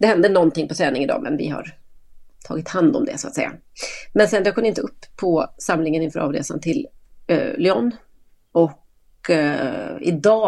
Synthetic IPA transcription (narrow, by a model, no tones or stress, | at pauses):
d̪ɛhɛnd̪ənɔnt̪ɪŋpɔt̪ʰɾɛːnɪŋɪd̪ɑ̰ːmɛ̰nvɪ̰ha̰ɾ | t̪ʰɑ̰ːɡɪt̪hand̪ɔmd̪ɛ̰sʊat̪sɛjːa̰ | mɛnsɛnd̪ɾɛːkʰɔmnɪnt̪əɵpʰːɔsamlɪŋənɪnfœɾɑːvɾḛːsa̰nt̪ʰɪl | lʏɔn | ɔk | ɪ̰d̪ɑː